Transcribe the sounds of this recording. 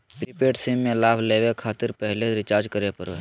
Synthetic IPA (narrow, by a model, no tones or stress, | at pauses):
pɾipeːʈsiːmːẽlaːbʱleːwekʰaːt̪ɪɾpɛɦleɾɪt͡ʃaːɾd͡ʒkəɾepəɾʋeː